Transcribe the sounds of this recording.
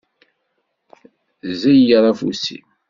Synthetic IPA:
zæjjɾˤɑfṵsḭ

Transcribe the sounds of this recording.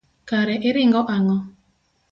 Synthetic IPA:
kaɾɛʔɪɾɪŋɡɔʔaŋɔ

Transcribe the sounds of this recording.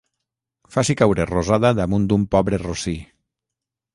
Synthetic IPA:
fasikawɾerozaðaðamund̪umpɔβɾerosi

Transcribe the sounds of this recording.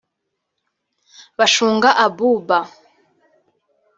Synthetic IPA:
βaʃuːŋɡaʔabuba

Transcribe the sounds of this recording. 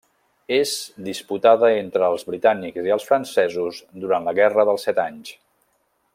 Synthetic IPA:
ezd̪isput̪aðəent̪ɾəːlˠzβɾit̪anikziəlˠsfɾənsɛzuzd̪uɾanləɣɛrəðəlˠsɛt̪aɲs

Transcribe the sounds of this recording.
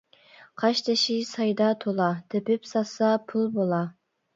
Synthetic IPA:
qʰɑʃt̪ʰɪʃisɑjd̪ɑt̪ʰolˠɑd̪̥ɪpɪpsɑsɑpʰulˠbolˠɑ

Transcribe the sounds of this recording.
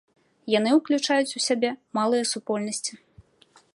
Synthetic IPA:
jan̪ɨwklʲut͡ʂajut͡sʲusʲabʲɛmalˠɨjɛsupɔlʲnɐsʲt͡sʲi̥

